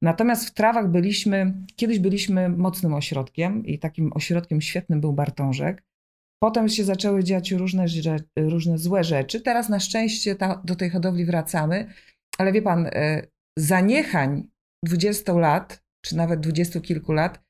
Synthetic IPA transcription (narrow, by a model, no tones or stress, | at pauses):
nat̪ɔmʲjast̪ft̪ɾavaɣbɘlʲiɕmɘkʲɛd̪ɘʑbɘlʲiɕmɘmɔt̪snɘmɔɕɾɔt̪kʲɛmḭt̪akʲimʔɔ̰ɕɾɔt̪̚kʲɛmɕfʲjɛt̪̚nɘmbɘwbaɾt̪ɔ̃w̃ʐɛ̰k | pɔt̪ɛmɕɛzat͡ʂɛwɘd͡ʑaat͡ɕɾuʐnɛɛɾuʐnɛzwɛʐɛt͡ʂɘt̪ɛɾasnaʂt͡ʂɛ̃w̃ɕt͡ɕɛt̪ad̪ɔt̪ɛjxɔd̪ɔvlʲivɾat̪samɘ | alɛvʲjɛpan | zaɲɛxaɲ | d̪vud͡ʑɛst̪ɔ̃w̃lat̪ | t͡ʂɘnavɛd̪̚d̪vud͡ʑɛst̪ukʲilkulat̪